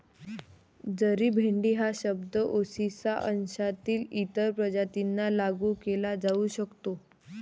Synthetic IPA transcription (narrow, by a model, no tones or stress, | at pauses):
d͡zəɾiːbʱeɳɖiːɦaɕəb̚d̪əʔosisaʔənɕat̪iːlit̪əɾpɾəd͡ʑat̪inːalaɡuːkelad͡zauɕəkt̪o